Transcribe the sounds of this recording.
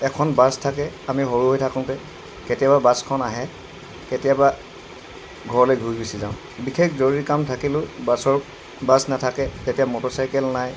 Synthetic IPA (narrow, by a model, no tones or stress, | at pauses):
ɛkʰɔnbastʰakɛamiɦoɹuɦojtʰakʊ̃tɛ | ketijababaskʰɔnaɦɛ | ketijaba | ɡʱɔɹɔlojɡʱujbisizã̰ʊ̃ | bikʰekʰzoɹiikamtʰakilʊ̃basɔɹ | basnatʰakɛtetijamɔtɔsajkɛlnaj